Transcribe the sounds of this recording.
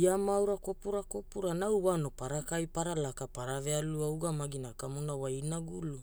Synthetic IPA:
iamawɾakopuɾakopuɾanawwano̞paɾakajpaɾalakapaɾavealuawɡamaɡinakamunawainaɡulu

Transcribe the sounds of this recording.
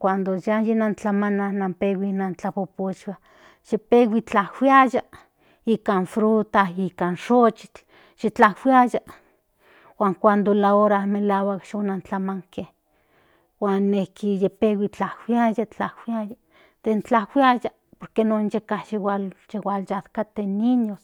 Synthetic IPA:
kʷand̪ojajenant͡ɬamananampewinant͡ɬapopot͡ʃwa | ʃipewit͡ɬahwiaja | ikanfɾut̪aikanʃot͡ʃi̥t͡ɬ | ʃit͡ɬahwiaja | waːŋkʷand̪olaoɾamelawakʃonant͡ɬamaŋkeh | waːnːehkʰijepewit͡ɬahwiajat͡ɬahwiaja | d̪ent͡ɬahwiaja | poɾkenonjekahʃiwalʃewaljat̪kat̪eniɲos

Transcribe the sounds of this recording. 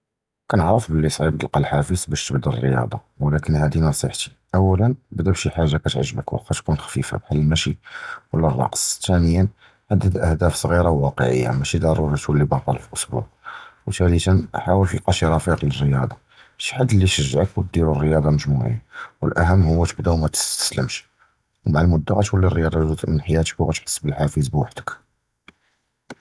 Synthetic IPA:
kænʕɾˤəfbəlːisˤʕib̚d̪əlqɑlħafəzbæʃt̪əbd̪rːəjɑ̰d̪ˤɑ̰ | wəlækənhæd̪inɑsˤəħt̪i̥ | ʔæwːælənbəd̪æbʃiħaʒːakæt̪ʕəʒːbəkw̰qæt̪kunxæ̥fifa̰bħalːmæʃiwəlːærˤːɑ̰qsˤt̪ænəjːən | ħad̪ːæd̪lʔæhd̪æfsˤɣiɾawwɑqə̰ʕə̰jːa̰mæʃid̪ɑɾˤuɾit̪ulːibɑt̪ˤɑlfiʔʊsbṵʕwt̪ælət̪ənħawəlfiqɑʃiɾˤɑfiqilərːəjɑd̪ˤɑ | ʃi̥ħad̪ːəlːiʃəʒːʕəkwət̪̚d̪iɾurːəjɑd̪ˤɑməʒmuʕḭwə̰lʔæɦəmːhʊwːæt̪əbd̪æwmæt̪ə̥st̪ə̥sləmʃ | wmaʕəlmʊd̪ːaɣæt̪wəlːirːəjɑd̪ˤɑzut̪ʔənħajæt̪ə̥kwɣæt̪ħə̥sːbəlħafizbwaħd̪ə̥k

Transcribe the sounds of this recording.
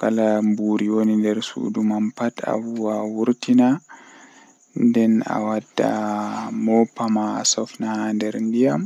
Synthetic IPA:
kalambuɾiwonindɛɾsṵdumampata̰wuwawuɾtina | ndɛna̰wadːa̰mɔpːama̰ːsɔfnahandɛɾndijam

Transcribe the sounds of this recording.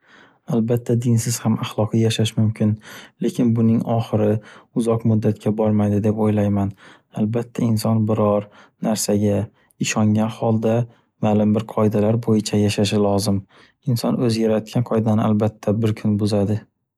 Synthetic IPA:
albat̪ʰːad̪ɪnsɪz̥hamaχlˠɒqʰijaʃaʃmʊmkʲʰɪnle̞kʲʰɪnbʊnɪŋɒχɨɾɪʊzɒqmʊd̪ːat̪kʲabɒɾmajd̪ɪd̪e̞pojlajman | albat̪ʰːaɪnsɒnbɪɾɒɾnaɾsaɡʲa | ɪʃɒŋɡʲanhɒlˠd̪a | malɪmbɪɾqʰɒɪd̪alaɾbojɪt͡ʃʰajaʃaʃɪlɒzɪm | ɪnsɒnɵzjaɾat̪̚kʲanqʰɒjd̪anɪalbat̪ʰːabɪɾkʲʰʊnbʊzad̪ɪ

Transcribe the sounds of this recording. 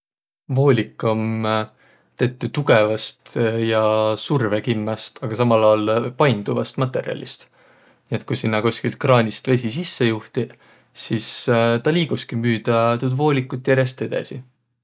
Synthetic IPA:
vo̞ːlʲikˑːom | t̪e̞t̪ːˑut̪uɡe̞vɑst̪jɑsurvekimːɑst̪ɑɡ̥ɑsɑmɑlɑlpɑjnd̪uvɑst̪mɑt̪ˑːe̞̰ɾiɑ̰lʲist̪ | nie̞t̪̚kujsinːɑkusʲkilt̪̚krɑːnʲist̪ve̞s̬ʲis̬isːe̞juht̪i | sist̪ɑliːɡ̥uskimyːd̪̥ɑt̪ud̪vo̞ːlʲikːˑut̪ːˑjæɾje̞st̪e̞d̪̥ɑ̰si

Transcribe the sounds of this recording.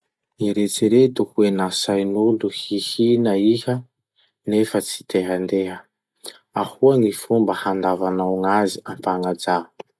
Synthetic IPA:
niɾet͡siɾet̪uhuenasajnund̪uhihinəihə | nefət͡si̥t̪eɦənd̪eɦə | ahuaŋifumbəhand̪avanawŋaziampaŋad͡za

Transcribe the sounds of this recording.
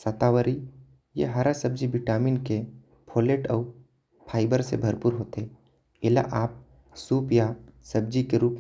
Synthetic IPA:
sət̪aːwəɾi | jeɦaɾasəb̚d͡ʒibɪʈaːmiːnke | pʰoːleːʈɔː | pʰaːɪbəɾsḛbʱɐɾpuːɾɦoːt̪e | ɪla̰ʔaːp̚ | suːpjasəbd͡ʒikeɾuːp

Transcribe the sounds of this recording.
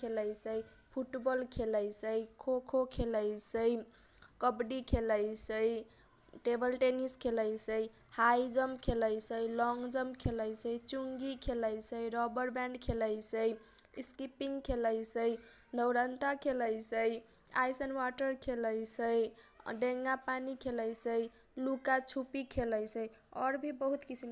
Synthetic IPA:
eləjsəj | pʰuʈbɔlkʰeləjsəjkʰokʰokʰeləjsəj | kəbɖikʰeləjsəj | ʈebəlʈeniskʰeləjsəj | hajd͡ʒəmkʰeləjsəjlɔŋɡd͡ʒəmkʰeləjsəjt͡ʃuŋɡikʰeləjsəjɾɔbəɾbɛ̃ɳɖkʰeləjsəjskipiŋɡkʰeləjsəj | d̪əwɾənt̪akʰeləjsəj | a̰jsənwaʈəɾkʰeləjsəjɖeŋɡapanikʰeləjsəj | lukat͡ʃʰupikʰeləjsəjɔɾbʱibəɦut̪kisim

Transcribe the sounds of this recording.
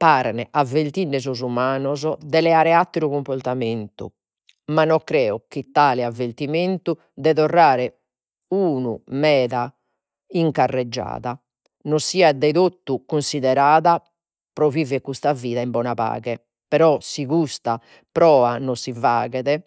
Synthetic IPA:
paːɾnɛʔavelt̪iɳːɛzɔzumaːnɔzɔd̪ɛlɛaɾɛat̪ːiɾuɣumpɔɾt̪ament̪ṵ | manːɔkːɾɛːɔkit̪ːaːlɛavːeɾt̪iment̪u | d̪ɛðɔrːaːɾɛ | uːnṵmɛːða | iŋkarːɛd͡ʒːa̰ːða | nosiːad̪ɛðot̪ːukunsiðɛɾaːða | pɾovivɛkːust̪aviːðaimbɔːnapa̰ːɣɛ | pɛɾɔsiɣust̪a | pɾɔːanɔsivaːɣɛðɛ

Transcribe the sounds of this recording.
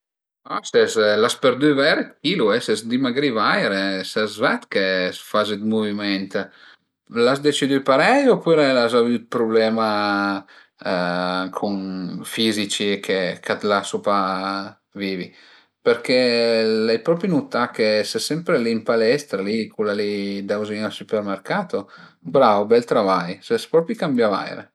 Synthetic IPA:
asɛzlaspeɾd̪yvɛɾet̪kiluɛsɛsd̪imaɡɾivajɾesɛzvɛt̪kesfazed̪muvimɛnt̪ | lasd̪et͡ʃid̪ypaɾɛjopyɾelazavyt̪̚pɾublɛːma | kʰunfizit͡ʃikʰekat̪lasupa | viːvi | peɾkelɛjpɾɔpinut̪ːakesɛsɛmpɾeliːmpalɛst̪ɾalikulːalid̪awziŋalsupermerkaːt̪obɾavobɛlt̪ɾavajsɛspɾɔpikambjava̰jɾḛ

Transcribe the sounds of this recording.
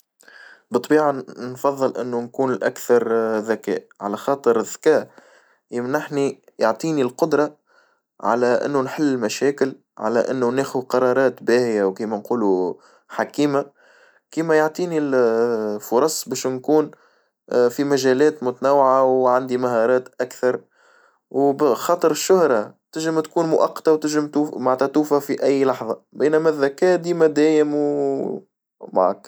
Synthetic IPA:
bɨt̪ˤːbiːʕanfɑðˤːɨlʔɪ̰nːunkuːnɪlʔæ̰kθɑɾˤðækɛ̰ːʔʕalæxɑːt̪ˤəɾɪðːkɛːʔ | jɪmnaħni | joʕt̪ˤiːnilqʊd̪ɾˤɑ | ʕa̰læʔɪ̰nːunħɪlːɪlmæʃɛːkɪl | ʕa̰læʔɪnːunɛːxʊqɑɾˤɑːɾˤɑːt̪bæːhɪjawkiːmænquːlu | ħakiːma | kiːmæjoʕt̪ˤiːnil | fʊɾˤɑsˤbɛːʃnkuːn | fimæʒæːlɛːt̪mʊt̪ænæwːʕawʕand̪imaɦɑːɾˤɑːt̪ʔækθɑɾˤ | wbxɑːt̪ˤɨɾɪʃːʊhɾˤɑt̪ɪʒɪmt̪kuːnmʊʔɑqːɑ̥t̪ɑwt̪ɪʒɪmt̪uːmaʕt̪ɑt̪uːfæfiʔæjːlɑħðˤɑbæːnæmæðːækɛːd̪iːmæd̪æːjɪmw | ma̰ʕa̰k

